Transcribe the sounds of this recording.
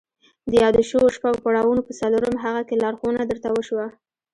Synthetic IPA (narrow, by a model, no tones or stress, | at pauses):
d̪əjɑd̪əʃəwoʃpaɡopaɽawunopəsaloɾəmɦaɣakelɑɾxunad̪əɾt̪awəʃwa